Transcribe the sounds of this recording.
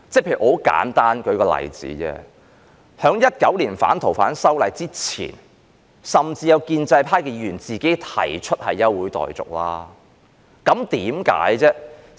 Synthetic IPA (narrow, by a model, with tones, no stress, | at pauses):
t͡sɛ˥˩pʰe˧˨y˨˩ho˨˥wka̰ː˨˥nt̪aː˥nkɵ˨˧ɥkɔː˧lɐ̰˨˩jt͡sḭː˨˥t͡sɛ̰ː˧ | hœː˨˥ŋjɐ˥t̚kɐ˨˥wliː˨˩nfaː˨˥nt̪ʰo˨˩wfa̰ː˨˥nsɐ˥wlɐ˨˧jt͡siː˥t͡sʰḭː˨˩n | sɐ˨˩mt͡siː˧jɐ˨˧wkiː˧nt͡sɐ˧jpʰaː˥jkɛː˧jyː˨˩nt͡siː˨ke˨˥jt̪ʰɐ˨˩jt͡ʃʰɵ˥t̚hɐ˨jːɐ˥wːuː˨˥jt̪ɔ̰ː˨jt͡sʊ̰˨k̚la̰ː˥ | kɐ˨˥mt̪iː˨˥mka̰ː˨˥jt͡sɛː˥